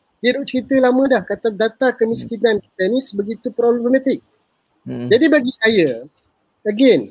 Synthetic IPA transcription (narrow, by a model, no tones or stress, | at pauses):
dədʊʔ̚t͡ʃəɾit̪əlamə̃dahkat̪adat̪akəmiskinanki̥t̪ənĩsəbəɡit̪upɾoblɛmɛmat̪ɪk̚ | d͡ʒadibaɡisajə | əɡen